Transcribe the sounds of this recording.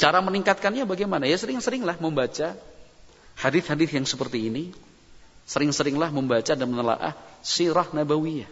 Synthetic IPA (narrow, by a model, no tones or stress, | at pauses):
t͡ʃaɾaməniŋkat̪̚kanɲabaɡamanajasəɾɪŋsəɾɪŋlahməmbat͡ʃa | hadɪθhadɪθjaŋsəpərt̪iːni | səɾɪŋsəɾɪŋlahməmbat͡ʃadamnəla̰ʔa̰hsiɾɔhnabawija